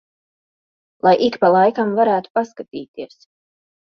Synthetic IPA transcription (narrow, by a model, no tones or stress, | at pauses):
lˠajʔikpalˠajkamvaɾæːt̪u̥paskat̪iːt̪iəs